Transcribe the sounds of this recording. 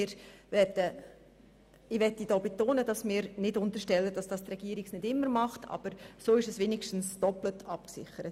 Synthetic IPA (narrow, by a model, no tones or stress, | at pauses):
ɪːɾvɛdə | ɪʋɛtːid̥ɔːbetoːnəd̥ɑsmɪːɾnɪdʊntəɾʃtɛlːəd̥ɑsd̥ɑstrɛɡ̥iːɾiksnɪdɪmːəɾmɑχtʰɑ̰b̥əɾsoːɪʃɛsʋeːnɪkʃtn̩sd̥ɔplətʰɑpksɪ̰χəɾət